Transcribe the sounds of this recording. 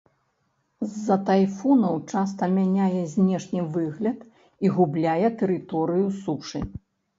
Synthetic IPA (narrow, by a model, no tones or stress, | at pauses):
zːɐt̪ajfɔnɐwt͡ʂast̪ɐmʲanʲajɛzʲnʲɛʂnʲɨvɨɣlʲɐt̪ | iɣublʲajɛt̪ɛɾɨt̪ɔɾɨjusuʂɨ̰